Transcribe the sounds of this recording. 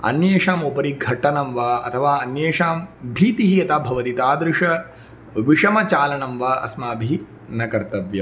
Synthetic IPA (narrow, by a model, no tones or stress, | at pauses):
ɐ̰njeːʂaːmopɐɾiɡʱɐʈɐnɐmʋɐɐ̰t̪ʰɐʋaːɐnjeːʂaːmbʱiːt̪iɦiɐt̪aːbʱɐʋɐt̪it̪aːd̪ɾɪʂɐ | ʋiʂɐmɐt͡ʃaːlɐɳɐmʋɐɐ̰smaːbʱi | nɐkɐɾt̪ɐʋjɐm